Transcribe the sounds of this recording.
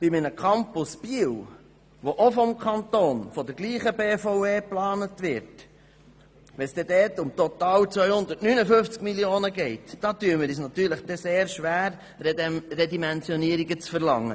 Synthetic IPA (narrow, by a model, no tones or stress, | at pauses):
b̥imənəkʰɑmpʊsb̥iəw | ʋoʔofɔmkʰχɑnt̪oːnfɔd̪əɾɡliːχəbeːfɔweːplɑːnət̪ʋɪɾt | ʋɛsd̥ɛd̥̪ɛːtʊmt̪ɔt̪ɑːwt͡sʋœjhʊnd̪ətnynəfɵft͡skmiljoːnəɡɛɪtd̥ɑːt̪yəməɾiːs̬nɑt̪yːɾləχd̥̪ɛseːɾʃʋæːɾ | rɛd̪imɛnt͡sjɔniəɾiɡət͡sfəɾlɑŋːə